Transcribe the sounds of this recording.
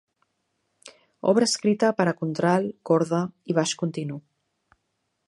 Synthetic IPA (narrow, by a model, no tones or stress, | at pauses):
ɔ̰β̞ɾəːskɾit̪əpəɾakunt̪ɾalkɔɾðaiβ̞aʃkunt̪inu